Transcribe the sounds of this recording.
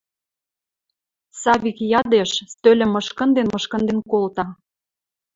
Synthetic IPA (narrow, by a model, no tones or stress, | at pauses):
sɑβikjɑd̪eʃst̪ølʲɘ̆mɤʃkə̆nd̪enmɤʃkə̆nd̪enkolt̪ɑ